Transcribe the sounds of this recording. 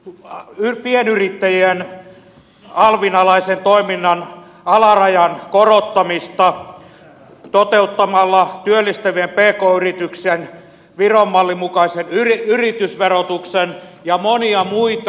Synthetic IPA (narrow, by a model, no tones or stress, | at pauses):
ypienyrit̪ːæjien | ɑlʋinɑlɑisent̪oiminːɑn | ɑlɑrɑjɑnkorot̪ːɑmist̪ɑ | t̪ot̪eut̪ːɑmɑlːɑt̪yølːist̪æʋiempeːkoːyrit̪yksen | ʋiromːɑlːimukɑisenyriyrit̪ysʋerot̪uksenjɑmoniɑmuit̪